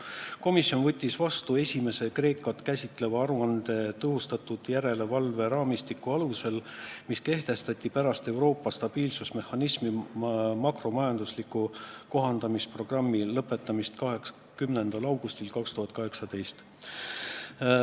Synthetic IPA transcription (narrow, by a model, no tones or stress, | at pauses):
ko̞misjo̞nvɤt̪ʲːisvɑst̪ue̞sʲime̞se̞kre̞ːkːˑɑt̪kæsʲit̪ˑle̞vɑɑɾuɑnd̪̥e̞t̪ɤɦust̪ɑt̪ud̪̥jæɾe̞le̞vɑlve̞ɾɑːmist̪ikːuɑluse̞lmiske̞ht̪e̞st̪ɑt̪ʲːˑipæɾɑst̪e̞wɾo̞ːpːˑɑst̪ɑb̥iːlsusme̞hːɑnismimɑkro̞mɑjɑnd̪uslikːˑuko̞ɦɑnd̪̥ɑmispro̞ɡ̥rɑmːilɤpːˑe̞t̪ːˑɑmist̪kɑɦek | kymnend̪ɑlɑwɡust̪ilkɑkst̪uhɑt̪̚ˑkɑɦe̞ksɑd̪e̞jst̪